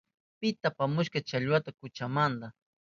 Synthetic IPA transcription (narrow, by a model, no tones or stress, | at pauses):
pɪt̪apamʊʃkat͡ʃaʎwat̪akʊt͡ʃamand̪a